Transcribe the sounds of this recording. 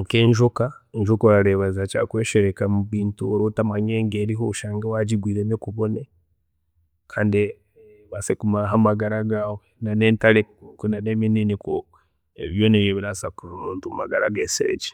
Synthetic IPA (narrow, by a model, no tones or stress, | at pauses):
ŋkeːɲʒukaɲʒukaaɾeβazat͡ʃakweːʃeɾekamuβiːntuoɾotamaɲeːŋɡeɾiɦouʃaːŋɡawad͡ʒiɡwiːɾenekuβone | kʰaːndi | βasekumaɦamaɡaɾaɡawenaneːntalekunanemininiku | eiβjoneβjoβiɾasakuɾuɾuːntuma̰ɡaɾa̰ɡeseɾḛd͡ʒi̥